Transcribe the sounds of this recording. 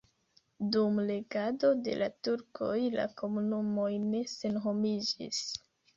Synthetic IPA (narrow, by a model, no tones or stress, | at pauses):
dumle̞ɡado̞de̞̰lʔatuɾkʰo̞jla̰ko̞munumo̞jne̞se̞nɦo̞mid͡ʒḭs